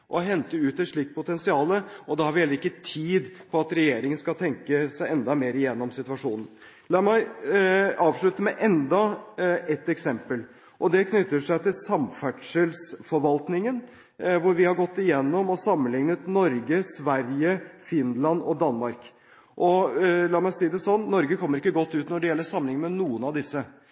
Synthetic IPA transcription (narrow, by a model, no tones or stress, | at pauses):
ʔɔɦɛnt̪əʉːt̪ɛʂɭiːk̪̚pʊt̪ɛnsɪɑːləʔɔd̪ɛhɑɾʋɛlːəɾɪkːət̪ʰiːd̪pʰɔɑt̪ɾɛjeːɾɪŋənskɑlt̪ʰɛŋkəsæɪɛnd̪ɑmeːɾɪjɛnːɔmsɪt̪ʉʋɑʂuːnən̩ | lɑːɾmæɪ | ɑːʋʂɭʉt̪əmɛʔɛnd̪ɑʔɛt̪ːɛksɛmpəl | ʔɔd̪ɛkʰnʏt̪ːəʂæɪt̪ɪlsɑmfæʈʂəlsfɔɾʋɑlt̪nɪŋən | ʋʊɾʋɪhɑɾɡɔt̪ːɪjɛnːɔmɔsɑmːənlɪŋnət̪nɔɾɡəsʋæɾjəfɪnlɑnɔd̪ɑnmɑɾk | ʔɔlɑːmæɪsiːd̪ɛsɔnːnːɔɾɡəkʰɔmːəɾɪkːəɡɔt̪ːʉːt̪nɔɖɛjɛlːəʂɑmːənɪŋəmɛnuːənɑʋd̪ɪsːə